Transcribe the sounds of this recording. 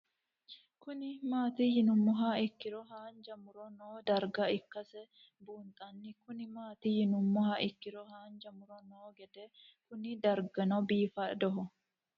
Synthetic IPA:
kʊnɪmaːt̪iːjɪnʊmːɔɦaɪkːɪɾɔɦaːnd͡ʒɐmʊɾɔnoːd̪ɐɾɡɐɪkːɐsɛ | buːnt̪ʼɐnːɪkʊnɪmaːt̪ijɪnʊmːɔhaʔɪkːɪɾɔhaːnd͡ʒɐmʊɾɔnoːɡɛd̪ɛkʊnɪd̪ɐɾɡɐnɔbiːfɐd̪ɔɦɔ

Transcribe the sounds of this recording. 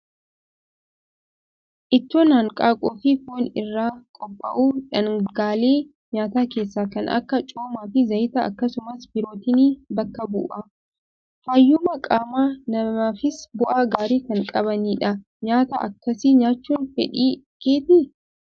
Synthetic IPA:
ʔɪt̪ːoːnaːŋkʼaːkʼoːfɪkuːnɪrːaːkʼɔpʼːɐ̰ʔuːᶑɐŋɡaːleː | ɲaːt̪aːkeːsːaːkɐnʔɐ̰kːɐt͡ʃʼoːmaːfɪzɐjt̪ɐɐ̰kːɐsʊmɐsbɪɾo̞ːt̪ɪniːbɐkːɐbṵːʔɐ | faːjːʊmɐkʼaːmaːnɐmaːfɪsbʊʔaːɡaːɾiːkɐŋkʼɐβɐniːᶑɐ | ɲaːt̪ɐʔɐ̰kːɐsiːɲaːt͡ʃːuːnfɛ̰ᶑiː | ke̞ːt̪nɪ

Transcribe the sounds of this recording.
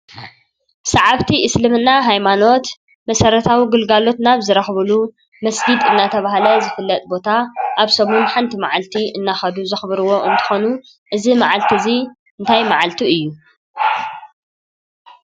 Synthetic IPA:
saʕaβt̪ʰiʔɨslɨmɨnːaɦajmano̞t̪ | mɐsɐɾɐt̪ʰawiɡɨlɡalo̞t̪naβzɨɾɐxβɨlu | mɐsɡid̪ɨnːat̪ʰɐβaɦlɐzɨfɨlːɐt̪ʼbo̞t̪ʰaʔaβsomunħant̪ʰimaʕalt̪ʰiʔɨnːaxɐd̪uzɨxβɾɨwo̞ʔɨnt̪ʰɨ̥xo̞nu | ʔɨzimaʕalt̪ʰizi | ɨnt̪ʰajmaʕalt̪ʰiɨjːu

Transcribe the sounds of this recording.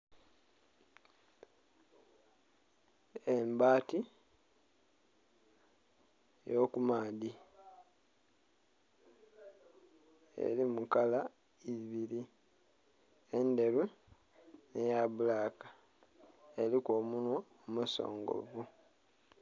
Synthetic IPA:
embaːti | jo̞kumaːdi | ḛlimukala | iβiɾi | e̞nde̞ɾu | nejaβulakḁ | elikoːmunwa | muso̞̰ːŋɡo̞̰vu

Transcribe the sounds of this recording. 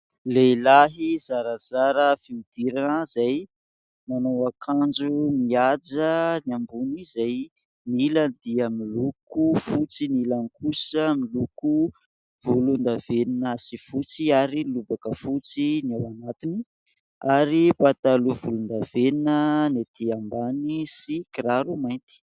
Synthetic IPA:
lelaɦizaɾazaɾəfiud̪̥iɾanəzaj | manawakʰand͡ʒumiad͡ʒəniambunizaj | nilanid̪iamilukufut͡sinilanikusəmiluku | v̥ulund̪aveninəsifut͡siaɾilubakəfut͡sinawanat̪ini | aɾipat̪aluvulund̪aveninənet̪ʰiambanisikiɾaɾumajnt̪i̥

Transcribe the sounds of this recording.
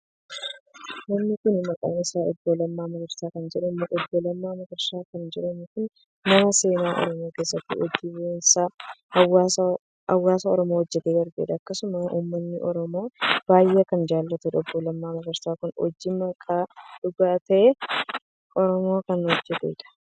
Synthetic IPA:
nɐmnɪkʊnmɐkʼɐ̰ːnɪsaːɔbːɔlɐmːaːmɐɡɐɾsaːkɐnd͡ʒɛᶑɛmːʔɔbːɔlɐmːaːmɐɡɐɾsaːkɐnd͡ʒɛᶑɐnɪkʊn | nɐmɐse̞ːnaːʔɔ̰ɾɔmoːke̞ːsːɐt̪ːɪ̰ʔɔd͡ʒːiwensaːwa | ɐwːaːsɐɔɾɔmoːwɔd͡ʒːɛt̪eːɡ̪ɐɾɡḛːᶑɐːkːɐsʊmɐʔṵːmːɐnːɪʔɔɾɔmo̞ːb̥aːjːekɐnd͡ʒaːlːɐt̪ɛᶑɔbːɔlɐmːaːmɐɡɐɾsaːkʊnɔ̰d͡ʒːimɐkʼːaːᶑʊɡaːt̪ɐʔe | ʔɔɾɔmo̞ːkɐnhɔd͡ʒːɛt̪ḛːᶑɐ̥

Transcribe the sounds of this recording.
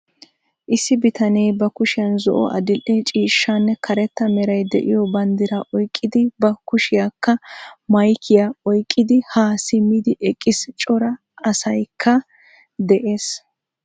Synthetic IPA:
ʔɪsːɪbɪt̪ɐnejbɐkʊʃɪjɐnzɔ̰ʔɔ̰ʔɐ̰d̪ɪlʔːet͡ʃʼiːʃːanːɛkʰɐɾɛt̪ːɐmɛɾɐjd̪ɛ̰ʔɪjɔbɐnd̪ɪɾɐʔɔjkʼːɪd̪ɪbɐkʊʃɪjakʰːɐmɐjkʰɪjaɔjkʼːɪd̪ɪhaːsɪmːɪd̪ɪʔɛkʼːɪst͡ʃʼɔɾɐ | ɐsɐjkʰːɐ | d̪ɛʔeːs

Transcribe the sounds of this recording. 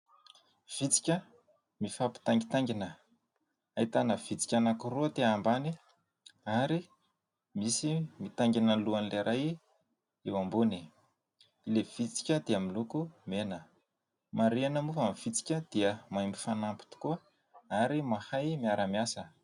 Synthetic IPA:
v̥it͡si̥kʲə | mifapi̥t̪aŋɡit̪aŋɡinə | ait̪anəv̥it͡si̥kʲanakuruət̪eambani | aɾi | misimit̪aŋɡinəluanileɾʔaj | ewambuni | ilev̥it͡si̥kʲəd̪eamilukumenə | maɾianəmufamiv̥it͡si̥kʲəd̪̥iəmajmbifanampi̥t̪u̥kuə | aɾimahajmiaɾamiasə

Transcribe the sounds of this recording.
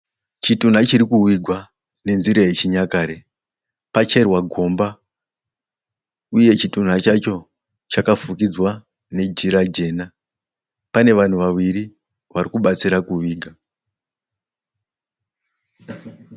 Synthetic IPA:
t͡ʃitun̤at͡ʃiɾikuwiɡʱwa | ne̞nziɾeet͡ʃiɲakaːɾe̞ | pat͡ʃe̞rwaɡʱo̞mba | uje̞t͡ʃitun̤at͡ʃat͡ʃo̞ | t͡ʃakafukid͡zwa | ne̞d͡ʒiɾad͡ʒe̞ːna | pane̞ʋan̤uʋawiɾi | ʋaɾikuɓat͡siɾakuwiːɡʱa

